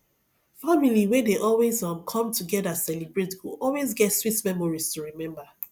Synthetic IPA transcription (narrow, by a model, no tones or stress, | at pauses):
familiwedeʔɔlwezãmkʰɔ̃mtʰuɡɛdasɛlibɹetɡuɔlwezɡɛtswitmɛ̃mɔɹiz̥tuɹimɛ̃mba